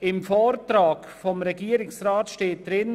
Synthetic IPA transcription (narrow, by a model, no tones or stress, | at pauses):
ɪmfɔːɾtɾaːkfɔmɾɛɡiːəɾɪksraːtʃteːt̚d̥ɾɪn